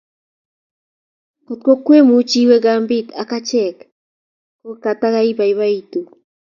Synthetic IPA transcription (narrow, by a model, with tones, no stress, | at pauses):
ko˨t̚ko˦kwe˦mu˨t͡ʃi˦wɛ˦ɣambi˦t̪a˨kat͡ʃɛk | ko˦ka˨t̪a˦ɣa˦i˦βa˨iβa˦i˨tu˨